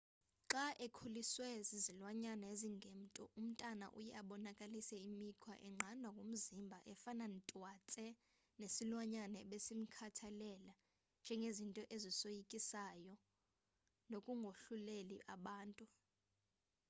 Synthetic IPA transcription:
ǁaʔekʰuliswɛzizilwaɲanɛeziŋɡʱem̩tʼɔ̰ʔum̩tʼana̰ʔṵjɛaɓɔnakʼalisɛimikʰwa̰ʔɛŋ͡ǁʱanwakʼum̩zimbʱaʔɛfanantʼwat͡sʼɛ | nesilwaɲanɛɓesim̩kʰatʰalɛla | nd͡ʒʱɛŋɡʱezintʼɔʔezisojikʼisajɔ | nokʼuŋɡʱoɬulelḭʔaɓaːntʼu

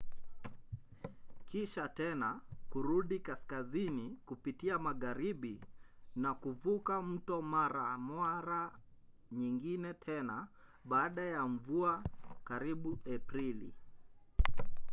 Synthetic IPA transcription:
kiʃatɛnakuɾuɗikaskazinikupitiamaɣaɾiɓinakuvukam̩tɔmaɾamwaɾa | ɲiŋɡinɛtʰɛnaɓaːɗajaɱ̩vuakaɾiɓuɛpɾilḭ

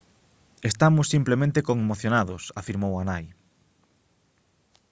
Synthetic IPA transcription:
est̪amʊsːimplemẽnt̪ekoŋemoθjonaðʊsafiɾmowanaj

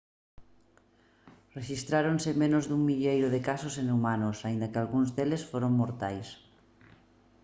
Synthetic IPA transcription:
reʃist̪ɾaɾonsemẽnozðuŋmiʎejɾoðekasosenumanosaind̪akealɣunzd̪elesfoɾoŋmoɾt̪ajs

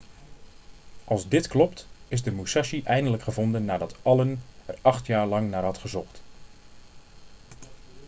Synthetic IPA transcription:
ʔɑlˠzdɪtklɔptɪzdəmusaʃiʔɛjndələkχəvondənːaːdɑtɑlənɛrɑxtjaːrlɑŋnaːrɦɑtχəzɔxt

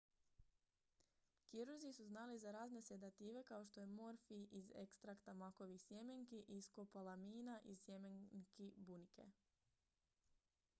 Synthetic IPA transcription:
kiɾuɾzisuznaːlizaɾaːzne̞se̞d̪at̪iːʋe̞kao̞ʃt̪o̞je̞mo̞ɾfiʔize̞̰kst̪ɾakt̪amako̞ʋixsjemeŋkiʔiskopalˠamiːnaʔisjemeŋkibunike̞̰

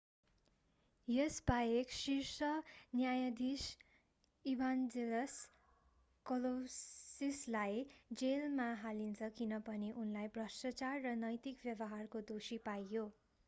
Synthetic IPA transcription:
jesbajeksirsʌnjajʌd̪is | ibʱand͡zelʌs | kʌlossislajd͡zelmaɦalint͡sʰʌkinʌpʌniʔunlajbrʌsʌt͡sarːʌnʌjt̪ikbjʌbʌɦarkod̪osipajjo

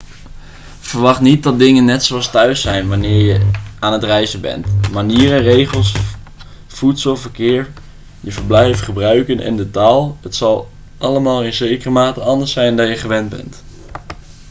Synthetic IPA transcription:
v̥əɹʋɑχtnit̚dɑt̚dɪŋənːɛtsoɑstœɥsɛjnʋanɪːɹjəaːnətrɛjzəbɛ̰ntmaniːərənrejχəlˠs | futsəlˠvəɹkɪːɹ | jəvəɹblɛjfχəbrœɥkənʔɪ̰ndətaːlˠɦətsɑlˠ | ʔɑləmaːlˠɪnzejkərəmaːtəɑndəɹsɛjndɑjəχəʋɛndbɛ̰nt

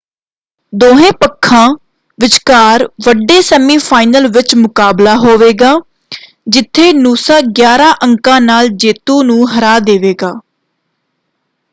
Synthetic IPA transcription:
d̪oːɦẽːpəkʰːãː | ʋɪt͡ʃkaːɾʋəɖeːsəmiːpʰaːɪnəlʋɪt͡ʃmʊkaːblaːɦoːʋeːɡaː | d͡ʒɪt̪ʰːeːnuːsaːɡjaːɾãːʔəŋkãːnaːld͡ʒeːt̪õːnũːɦəɾaːd̪eːʋeːɡaː

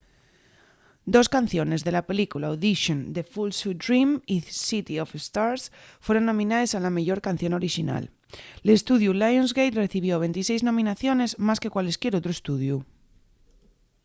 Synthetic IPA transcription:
d̪o̞skan̟θjo̞ne̞zðe̞lape̞likulaoðiʃond̪efulsud̪ɾimisit̪iofest̪aɾsfwe̞ɾo̞nːõ̞mĩnaðesalameʝo̞ɾkanθjo̞no̞ɾiʃina̰l | lest̪uðjulajonzɣejt̪reθiβ̞jo̞β̞e̞nt̪ise̞jznõ̞mĩnaθjo̞ne̞zmaske̞kwaleskje̞ɾot̪ɾoest̪uðju

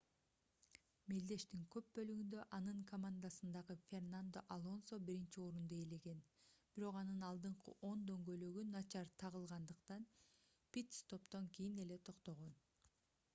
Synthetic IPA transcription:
meld̪e̞ʃt̪iŋkø̞p̚bø̞lyɡynd̪ø̞ʔɑnɯŋkʰomand̪asɯnd̪ɑʁɯfʲe̞rnand̪o̞ʔalˠo̞nsobiɾint͡ʃio̞ːɾund̪oele̞ɡe̞nb̥iɾo̞qɑnɯnɑlˠd̪ɯɴqɯ̰ʔo̞nd̪ø̞ŋɡøjløɡynɑt͡ʃɑɾt̪ʰɑʁɯlˠʁɑnd̪ɯqt̪ɑn | pʲit̪st̪ʰo̞pt̪o̞ŋkijine̞le̞t̪ʰo̞qt̪o̞ʁon

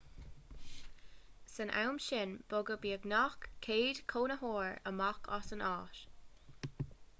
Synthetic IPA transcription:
sənʔa̰wmʃɪnb̥ʊɡəbiːəɡnɑxkkʰːeːdkʰoːnəɦoːɹə̰mɑkʰɔ̰sənɑːʃ

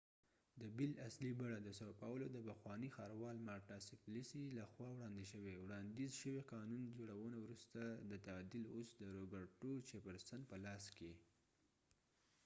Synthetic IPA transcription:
d̪əbɪlaslibaɽad̪əsopawəlod̪əpəxwɑnixɑɾwɑlmɑɾʈɑsɪflisilaxwɑwɽɑnd̪eʃəwewɽɑnd̪izʃəweqɑnund͡ʒoɽawənawɾust̪ad̪ət̪ad̪ilosd̪əɾobəɾʈot͡ʃepəɾsan̚pəlɑske

